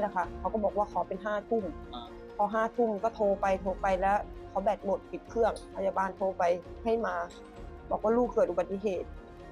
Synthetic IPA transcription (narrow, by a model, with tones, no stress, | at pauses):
la˦˩kʰa˧˩kʰa˧˦wkɔ˧˩bɔː˨˩k̚waː˥˩kʰa˨˩˦pe˧nɦaː˥˩t̪ʰu˥˩m | kʰɔː˨˩˦ɦaː˥˩˨t̪ʰu˥˩˨mkɔː˧˩t̪ʰoː˧pa˧jt̪ʰoː˧pa˧jlɛ˦˥kʰa˨˦wbɛː˨˩t̪̚mo˨˩t̪̚pi˨˩t̪̚kʰɯ˥˩əŋpʰa˧jaː˧baː˨˧nt̪ʰoː˧pa˧jha˥˩jmaː˧ | bɔː˨˩k̚waː˥˨uː˧˥˩kʰɯː˨˩ʔu˧ba˨t̪ːi˧˨ɦeː˨˩t̪̚